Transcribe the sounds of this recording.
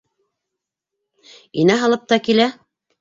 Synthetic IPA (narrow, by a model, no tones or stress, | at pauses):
inæɦɑlˠɤp̚t̪ɑkilæ